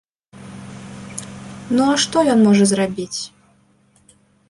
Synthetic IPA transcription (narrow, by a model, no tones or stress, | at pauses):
nuaʂt̪ɔjɔnmɔʐɐzrabʲit͡sʲ